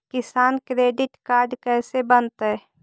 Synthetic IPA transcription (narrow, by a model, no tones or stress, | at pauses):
kɪsaːnkɾeːɖɪʈkaːɾɖkɛːsebənt̪ɦɛ